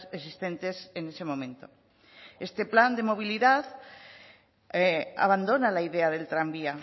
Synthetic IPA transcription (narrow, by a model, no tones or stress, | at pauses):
es̬ist̪e̞nt̪esene̞semõ̞mẽ̞nt̪o̞̰ | e̞st̪e̞pland̪e̞mo̞β̞iliðað | a̰βand̪o̞nalaiðeaðe̞lt̪ɾambia